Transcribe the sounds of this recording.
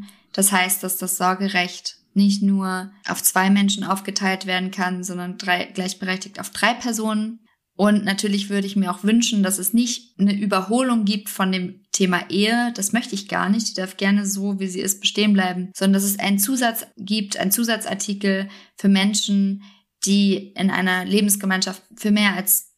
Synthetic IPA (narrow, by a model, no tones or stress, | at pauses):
d̥ashaɪst̚d̥asd̥asz̥ɔɐɡəʁɛçt | nɪç̬tnuːɐʔa̰ʊft͡sv̥aɪmɛnʃn̩ʔaʊfɡ̥ətʰaɪltv̥eːɐdn̩kʰanzɔndɐnd̥ʁaɪɡ̥laɪçb̥əʁɛçtɪçta̰ʊfd̥ʁaɪpʰɛɐzoːnən | ʔʊntnatʰyːɐlɪçv̥ʏɐɾəɪçmiːɐaʊxv̥ʏnʃn̩d̥asɛsnɪçtnəʔyːbɐɦoːlʊŋɡiːp̚tfɔndeːmtʰeːmaʔeːəd̥asmœçtəɪçɡ̥a̰ːɐnɪçtidaɐfɡ̥ɛɐnəzoːviːziːʔɪ̰st̚b̥əʃteːənblaɪbm̩z̥ɔndɐndas̬ɛs̬ʔa̰ɪnənt͡suːzat͡sɡ̥iːp̚tʔa̰ɪnt͡suːzat͡sʔa̰ɐtʰiːkl̩fyːɐmɛnʃn̩ | d̥iːʔɪnʔa̰ɪnɐleːbm̩sɡ̥əmaɪnʃaftfyːɐmeːɐals